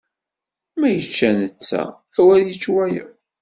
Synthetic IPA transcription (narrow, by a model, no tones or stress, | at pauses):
mæjət͡ʃːænət͡sːæ̰ | æwæðjət͡ʃːwæjə̰